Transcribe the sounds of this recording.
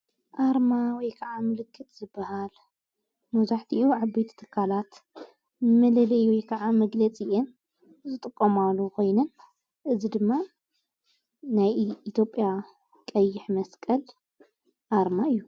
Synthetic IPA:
ʔaɾmawɔjkʰɐʕamɨlɨkʰːɨt̪ʰz̥ɨbːɐhal | mɐzaħt̪ʰiʔuʕabɐjt̪ʰi̥t̪ʰɨkʰːalat̪ | mɐlɐlɐjwɔjkʰɐʕamɐɡlɐt͡sʼiʔen | zɨt̪ʼɨkʼːomalːukʰo̞jnɐn | ʔɨzid̪ɨmːa | najit̪ʰjo̞pʼːja | kʼɐjːɪħmɐskʼɐl | ʔaɾmaɨjːu

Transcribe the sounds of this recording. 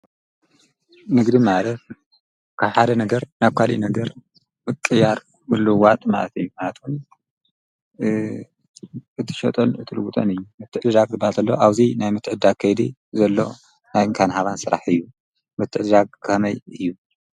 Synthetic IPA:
nɨɡd̪imalɐt̪̚ | kʰaβħad̪ɐnɐɡɐɾnaβkʰalḭnɐɡɐɾ | mɨkʼːɨjːaɾ | ulːuwat̪ʼma̰lɐt̪ʰɨjːumalɐt̪ʰun | ʔɨt̪ʰɨ̥ʃɐ̰t̪ʼonɨt̪ʰɨlɨwut̪ʼɐnɨjːumɨt̪ʰːɨʕɨd̪ɨd̪aɡ̚zɨbalt̪ɐlːoʔaβzinajmɨt̪ʰːɨʕɨd̪aɡ̚kʰːɐjd̪ḭ | zɐlːo̞̰ | najɨŋkʰanhaβansɨɾa̰ħɨjːu | mɨt̪ʰːɨʕd̪ɨd̪aɡ̚kʰɐmɐjɨjːu

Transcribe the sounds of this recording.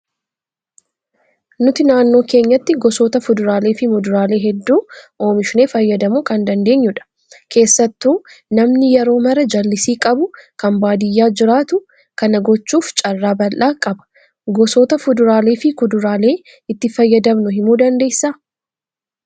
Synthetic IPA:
nʊt̪ɪnaːnːo̞ːke̞ːɲːɐt̪ːɪɡɔsoːt̪ɐfʊd̪ʊɾaːle̞ːfɪmʊd̪ʊɾaːle̞ːɦɛd̪ːuːʔo̞ːmɪʃɪne̞ːfɐjːɐd̪ɐmuːkɐnd̪ɐnd̪e̞ːɲːʊᶑɐ̥ | kʰe̞ːsːɐt̪ːuːnɐmnɪjɛɾo̞ːmɐɾɐd͡ʒɐlːɪsiːkʼɐbʊkɐmbaːd̪ɪjːaːd͡ʒɪɾaːt̪ʊ | kɐnɐɡɔt͡ʃːuːft͡ʃʼɐrːaːbɐlʔaːkʼɐbɐ̥ | ɡɔsoːt̪ɐfʊd̪ʊɾaːleːfɪkʊd̪ʊɾaːle̞ː | ɪt̪ːɪfɐjːɐd̪ɐmnʊhɪmuːd̪ɐnd̪e̞ːsaː

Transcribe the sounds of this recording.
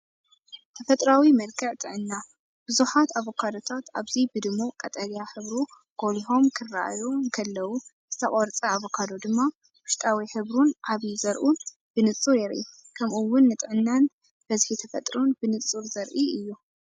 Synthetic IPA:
t̪ʰɐfɐt̪ʼɾawimɐlkʰɨʕt̪ʼɨʕɨnːa | b̥ɨzuħat̪aβo̞kʰad̪o̞t̪ʰat̪aβzibɨd̪ɨmokʼɐt̪ʼɐljaħɨβɾu | ɡ̥o̞liɦo̞mkʰɨrːa̰ʔjokʰɐlːɐwu | zɨt̪ʰɐkʼoɾt͡sʼɐaβokʰad̪od̪ɨmːa | wʊʃt̪ʼawiħɨβɾunʕaβizɐɾʔun | b̥ɨnɨt͡sʼuɾjɛɾʔḭ | kʰɐmʔuwʊnːɨt̪ʼʕɨnːan | b̥ɐzihit̪ʰɐfɐt̪ʼɾunbɨnɨt͡sʼːuɾzɐɾʔiɨjːu

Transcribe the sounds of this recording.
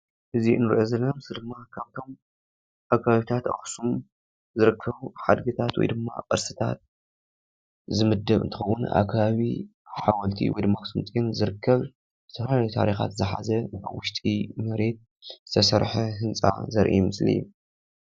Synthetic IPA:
ʔɨziɨnːɨɾʔozɐlːɐomɨslid̪ɨmːakʰaβt̪ʰo̞m | ʔakʰaβaβit̪ʰat̪ʔɐ̰xsum | zɨɾɨkʰːɐβuħad̪ɡɨt̪ʰat̪wɔ̰jd̪ɨmːa̰ʔʼɨɾsɨt̪ʰa̰t̪̚ | zɨmɨd̪ːɐβɨnt̪ʰɨ̥xɐwːʊna̰kʰaβaβi | ħawɔlt̪ʰḭwɔ̰jd̪ɨmːaxsumt͡s̪ʼinzɨɾɨkʰːɐβ | zɨt̪ʰɐɾaljut̪ʰa̰ɾixa̰t̪zɨħa̰zɐa̰βwʊʃt̪ʼimɐɾe̞t̪̚ | zɨt̪ʰɐsɐɾħɐɦɨnt͡sʼa̰zɐɾʔḭmɨslḭju

